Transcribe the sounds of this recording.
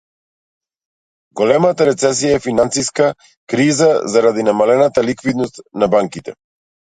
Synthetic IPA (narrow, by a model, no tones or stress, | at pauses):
ɡɔlɛmat̪aɾɛt̪sɛs̬ijaɛfinansiska | kɾizazaɾad̪inamalɛnat̪alikvid̪nɔst̪nabaŋkit̪ɛ